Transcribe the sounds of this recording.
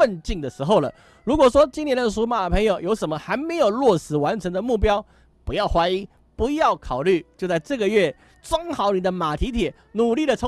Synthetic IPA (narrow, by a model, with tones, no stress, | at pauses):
ə˥˧nt͡ɕi˥˩ŋd̪ə˩ʂɻ̩˧˥xo˥˩ʊlə̰˩ | ɻu˧˥kwɔ˨˩ʂwɔ˥t͡ɕi˥njɛ˧˥nd̪ə˨˧˩ʂ̬u˧˥ma˨˩˨pʰɤ˧˥ŋjo˨˩ʊjo˧˥ʊʂə˨˩nmə˦xa˧˥ɪme˧˥ɪjo˨˩ʊlwɔ˥˩sɻ̩˨˩wa˧˥nʈ͡ʂʰɤ˧˥ŋd̪ə˧mu˥˩p̬jɑ˥ʊ | pu˧˥jɑ˥˩ʊxwa˥ɪi˥ | pu˧˥jɑ˥˩ʊkʰɑ˨˩ʊly˥˩t͡ɕjo˥˧ʊt͡sa˥˧ɪʈ͡ʂɤ˥˩ɡə˩ɥɛ˥˩ | t͡sʊ˥ŋxɑ˧˥ʊni˨˩d̪ə˦ma˨˩t̪ʰi˧˥t̪ʰjɛ˨˩˦ | nu˨˩li˥˩lə˩ʈ͡ʂʰə˧˥